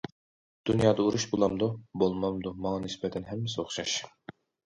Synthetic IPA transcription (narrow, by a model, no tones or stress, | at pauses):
d̪̥unjɑːd̪ɑuɾuʃbolˠɑmd̪ubolˠmɑmd̪umɑŋɑnɪspɛt̪ʰɛnɦɛmːɪsɪoχʃɑʃ